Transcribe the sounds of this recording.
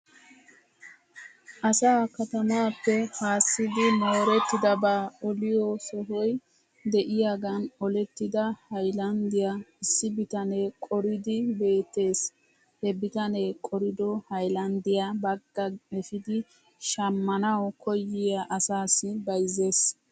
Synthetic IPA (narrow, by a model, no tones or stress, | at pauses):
ʔɐsaːkɐt̪ɐmaːpːɛhaːsːɪd̪ɪmoːɾɛt̪ːɪd̪ɐbaːɔlɪjɔsɔɦɔj | d̪ɛʔɪjaːɡɐnɔlɛt̪ːɪd̪ɐhɐjlɐnd̪ɪjaɪsːɪbɪt̪ɐnɛkʼɔɾɪd̪ɪbe̞ːt̪ːe̞ːs | hɛbɪt̪ɐnekʼɔɾɪd̪ɔhɐjlɐnd̪ɪjabɐɡːɐɛfɪd̪ɪ | ʃɐmːɐnɐwkʰɔjːɪjaʔɐsaːsːɪbɐjze̞ːs